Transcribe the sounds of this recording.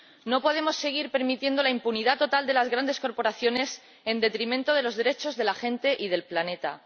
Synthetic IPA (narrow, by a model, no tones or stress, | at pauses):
no̞po̞ð̞e̞mo̞sːe̞ɣ̞iɾpe̞ɾmit̪je̞nd̪o̞laimpuniðat̪o̞t̪ald̪e̞lazɣɾand̪esko̞ɾpo̞ɾaθjo̞ne̞s | e̞nd̪e̞t̪ɾimẽnt̪o̞ð̞elo̞zðe̞ɾe̞t͡ʃo̞zðe̞laxent̪e̞ʔið̞e̞lplane̞t̪a̰